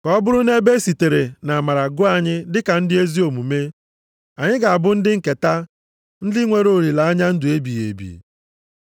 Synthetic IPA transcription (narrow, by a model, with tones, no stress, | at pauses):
kɔ˦bʊ˦ɾʊ˦ne˦be˦si˨te˨ɾe˨na˨ma˨ɾa˨ɡʊ˦a˦˨ɲɪ˦dɪ˦ka˨n̩˦dɪ˦e˦zi˦o˨mu˨me˦ | a˨ɲɪ˦ɡa˨a˨bʊ˦n̩˦dɪ˦ŋ̩˨ke˨ta˦ | n̩˦dɪ˦ŋʷe˨ɾo˦˨ɾi˨la˨a˦ɲa˦n̩˦dʊ˨e˦bi˨ḛ˨bḭ˨